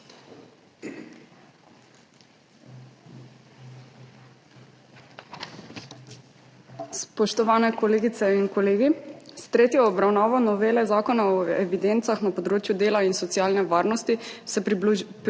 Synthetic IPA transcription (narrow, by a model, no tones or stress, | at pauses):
spɔʃt̪ɔʋaːnɛkɔleːɡit̪sɛinkɔleːɡist̪ɾeːt̪jɔːbɾawnaːʋɔnɔʋeːlɛzaːkɔnaɔɛʋid̪ent̪saxnapɔd̪ɾoːt͡ʃjud̪eːlainsɔt̪sjaːlnɛʋaːɾnɔst̪isɛ